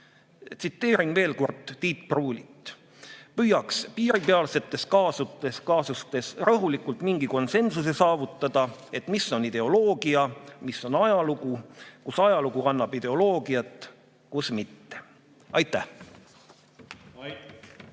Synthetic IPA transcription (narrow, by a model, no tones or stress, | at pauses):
t̪sit̪ːe̞ːɾiŋɡ̥ve̞ːlko̞rd̪̥ːiːt̪pruːlʲit̪ːˑ | pyːjɑkspiːɾipe̞ɑlse̞t̪ːˑe̞skɑːsut̪ːeskɑːsust̪e̞srɤɦulikˑult̪ˑmiŋɡ̥iko̞nse̞nsuse̞sɑːvut̪ːˑɑd̪̥ɑe̞t̪misːo̞nid̪̥e̞o̞lo̞ːɡ̥iɑmisːo̞nɑjɑluɡukusɑjɑluɡ̥uɑnːɑb̥id̪̥e̞o̞lo̞ːɡ̥iɑt̪ˑ | kusmit̪ːe | ɑjt̪ːˑæh